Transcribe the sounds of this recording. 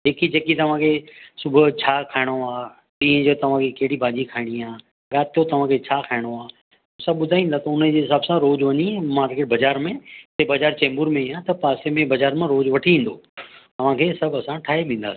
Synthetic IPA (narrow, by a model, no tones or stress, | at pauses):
ɦeːkid͡ʑeːkit̪ɐʋ̤ãkʰesʊbʱʊt͡ɕʰaːkʰaːɪɽ̃oaː | t̪ĩːə̃d͡ʑoːt̪ɐʋ̤ãkʰekɐɦɪɽibʱaːd͡ʑikʰaːɪɽ̃iaː | ɡaːt̪jot̪ɐʋ̤ãkʰet͡ɕʰaːkʰaːɪɽ̃oaː | ʊsãɓʊd̪ʱaːĩːnd̪aːt̪ɐʊnəd͡ʑeːɦɪsaːbsãɾoːd͡ʑʋɐɲimãːɾkeʈbɐd͡ʑaːɾmẽt̪ebɐd͡ʑaːɾt͡ɕɛ̃ːmbʊɾmẽiãt̪ɐpaːsemẽbɐd͡ʑaːɾmẽɾoːd͡ʑʋɐʈʰiĩːn̆d̪oːt̪ɐʋ̤ãkʰeːsɐbʱɐsãʈʰaːɦeʋĩːn̆d̪a̰ːsĩ̥